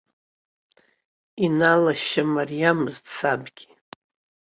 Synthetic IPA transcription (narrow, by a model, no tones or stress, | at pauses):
inalaʃamarijamzt͡sʰabɡʲi